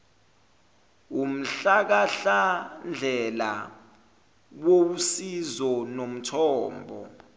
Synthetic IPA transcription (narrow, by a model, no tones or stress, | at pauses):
um̩ɬak̬aɬand͡ɮʱɛla̰ | wousizɔnom̩tʰɔːmbʱɔ̰